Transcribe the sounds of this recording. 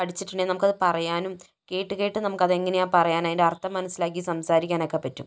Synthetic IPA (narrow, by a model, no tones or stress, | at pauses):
pɐɽʰit͡ɕːiʈːiɳdenɐmukːɐðɨpɐrɐjaːnum | ke̞ːʈːɨɣejiʈːɨnɐmukːɐðeŋːɐnejaːpɐrɐjaːnaːjindeɐrt̪ːɐmːɐnɐsːilaːk̬ːijsɐmsaːɾikʲːaːno̞ːkːepːɐtːum